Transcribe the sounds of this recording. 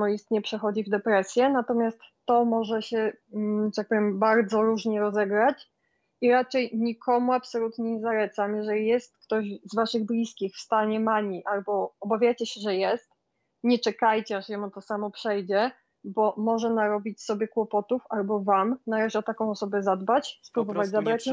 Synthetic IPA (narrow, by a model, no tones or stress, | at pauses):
ɔist̪ɲɛpʂɛxɔd͡ʑivd̪ɛpɾɛsʲjɛnat̪ɔmʲjast̪ːɔmɔʐɛɕɛɛt̪ak̚pɔvʲjɛmbaɾd̪zɔɾuʐɲɛɾɔzɛɡɾat͡ɕ | iɾat͡ʂɛjɲikʰɔmuapsɔlut̪ɲɛɲɛzalɛt̪samjɛʐɛlʲijɛst̪̚kt̪ɔʑzvaʂɘɣblʲiskʲixfst̪aɲɛmaɲiʔalbɔɔbavʲjajt͡ɕɛɕɛʐɛjɛst̪̚ | ɲɛt͡ʂɛkajt͡ɕɛaʂjɔmut̪ɔsamɔpʂɛjd͡ʑɛ | bɔmɔʐɛnaɾɔbʲit͡ɕsɔbʲjɛkwɔpɔt̪ufalbɔvamnalɛʐɛɔt̪akɔ̃w̃ɔsɔbɛzad̪bat͡ɕspɾubɔvad͡ʑzabɾat͡ɕ